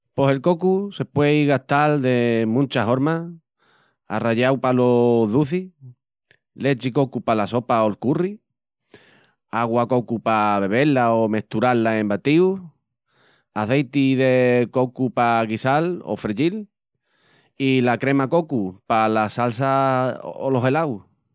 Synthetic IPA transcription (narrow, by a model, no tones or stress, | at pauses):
po̞se̞lko̞kuse̞pweiɣaht̪ald̪emũnt͡ʃaɦoɾma | a̰raʎawpaloðuθi | let͡ʃiko̞kupalaso̞paolkuri | aɣwako̞kupaβe̞β̞e̞laome̞ht̪uɾalːaẽmbat̪iu | aθejt̪iðeko̞kupaɣisalo̰fɾeʎil | ilakɾe̞mako̞kupalasalsa | olo̞ɦe̞law